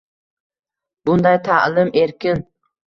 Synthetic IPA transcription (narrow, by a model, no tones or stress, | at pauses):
bʊnd̪ajt̪ʰaʔlˠɪmʔe̞ɾkʲɪn